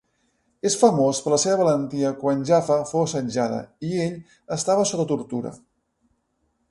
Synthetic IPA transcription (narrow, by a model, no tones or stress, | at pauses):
esfəmospəɾləseβəβələnt̪iəkwanʲʒafəfowsənʲʒaðə̰ieʎ | əst̪aβəsot̪ət̪uɾt̪uɾə̰